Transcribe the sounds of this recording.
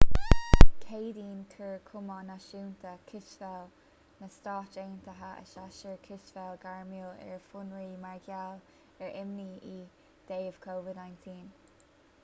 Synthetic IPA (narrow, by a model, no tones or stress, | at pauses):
kʰeːd̪iːnt̪ʰəɹkʰʊmənaʃuːnt̪ʰəkʰɪʃvɛl | nəstɑːt͡ʃeːnt̪əɦaʔə̰ʃaʃəɹkʰɪʃvɛlɡaɹmiːlɛ̰ɹfʊnɹiːmaɹɡjal | ɛɹɪmniːʔi | d̪̥eːəv̥kʰoːvɪdnajntʰiːn